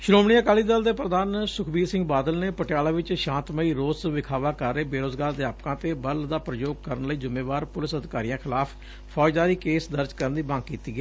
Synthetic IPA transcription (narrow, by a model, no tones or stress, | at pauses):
ʃɾoːmɽ̃iːəkaːliːd̪əld̪eːpɾəd̪aːnsʊkʰbiːsɪ̃ŋɡbaːd̪əlneːpəʈɪjaːlaːʋɪt͡ʃʃãːnt̪məiːɾoːsʋɪkʰaːʋaːkəɾːeːbeːɾoːzɡaːɾd̪ɪjaːpkãːt̪eːbəld̪aːpɾəd͡ʒoːɡ̚kəɾənləiːzʊmeːʋaːɾpʊlɪsəd̪ʱɪkaːɾijãːkʰɪlaːpʰ | pʰɔːd͡ʒd̪aːɾiːkeːsd̪əɾd͡ʒkəɾənd̪iːbə̃ŋɡ̚kiːt̪iːɡɛː